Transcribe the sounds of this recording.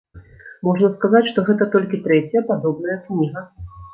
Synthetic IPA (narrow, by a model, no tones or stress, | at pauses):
mɔʐnɐskazat͡sʲʂt̪ɔɣɛt̪ɐt̪ɔlʲkʲit̪ɾɛt͡sʲjɐpad̪ɔbnɐjɐknʲiɣɐ